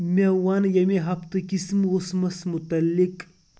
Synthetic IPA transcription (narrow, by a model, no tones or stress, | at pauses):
mʲewanjɐmeɦɐpt̪ɨkismosmɐsmut̪ɐlːik